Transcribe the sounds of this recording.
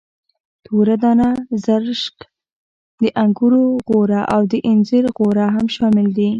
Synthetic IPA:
t̪ʰoɾad̪ɑnazaɾʃk | d̪əʔaŋɡuɾoɣoɾaʔawd̪əʔɪnzɪɾɣoɾaɦamʃɑmɪld̪i

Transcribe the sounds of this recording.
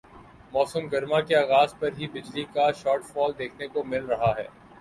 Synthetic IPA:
mɔːsəmɡɐɾmakeaːɣaːzpɐɾɦibɪd͡ʒlikaʃɔːɾʈfɔːld̪eːkʰnekomɪlɾɐɦaɦɛ̰ː

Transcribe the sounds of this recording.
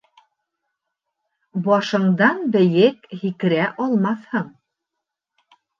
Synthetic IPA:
bɒʃɤ̆ɴd̪ɑnbɘ̆jɘkhikɘ̆ɾæʔɒlˠmɑθhɤɴ

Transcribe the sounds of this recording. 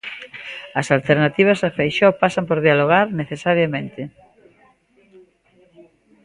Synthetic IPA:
ɐsalt̪eɾnat̪iβ̞ɐzafejʃɔpasɐmpoɾðialoɣaɾneθesaɾjamẽnt̪ɪ

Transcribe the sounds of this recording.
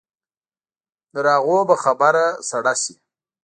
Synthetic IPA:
d̪əɾɑɣobaxabaɾasaɽasi

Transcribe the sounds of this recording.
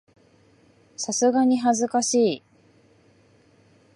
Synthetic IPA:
sasɨɡaɲ̟iɦazɨkaɕiː

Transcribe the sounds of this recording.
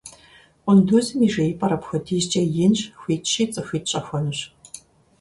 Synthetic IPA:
qʷʊnduzɨmiʐeːjpʼɐɾɐpxʷɐdʰiʑt͡ʃʼɐjɪnɕxʷiːtɕiːt͡sʼɨxʷiːt̚ɕʼɐxʷɐnɨɕ

